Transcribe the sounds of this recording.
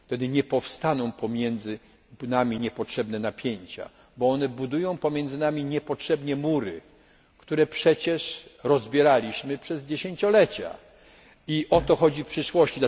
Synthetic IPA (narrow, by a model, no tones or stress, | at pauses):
t̪ɛd̪ɘɲɛpɔfst̪anɔ̃w̃pɔmʲjɛnd̪zɘ | namʲiɲɛpɔtʂɛbnɛnapʲjeɲt͡ɕa̰ | bɔɔnɛbud̪ujɔ̃w̃pɔmʲjɛnd̪zɘnamʲiɲɛpɔtʂɛbɲɛmuɾɘ | kt̪uɾɛpʂɛt͡ɕɛʂɾɔzbʲjɛɾalʲiɕmɘpʂɛzd͡ʑeɕẽɲt͡ɕɔlɛt͡ɕa̰ | iʔɔt̪ɔxɔd͡ʑipʂɘʂwɔɕt͡ɕid̪